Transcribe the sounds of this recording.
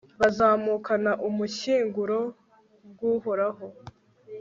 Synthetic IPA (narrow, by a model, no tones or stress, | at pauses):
βazaːmuːkanaʔumuɕiːŋɡuɾo̞ | bɡuːhoɾaɦo̞